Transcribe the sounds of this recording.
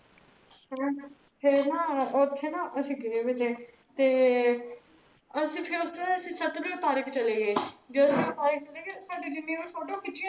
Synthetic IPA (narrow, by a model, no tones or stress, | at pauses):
ɦɛ̃ː | pʰeɾnãːʊt̪ʰːeːnãːʔəsĩːɡeʋet̪ẽː | t̪eː | əsĩːpʰɪɾʊst̪aəsĩːsət̪biːpaːɾəkt͡ʃəleːɡeːd͡ʒoːəspaːɾək̚t͡ʃəleːɡeːsaːɖiːd͡ʒɪnːẽːmẽːsoːɖõːkɪt͡ʃːĩ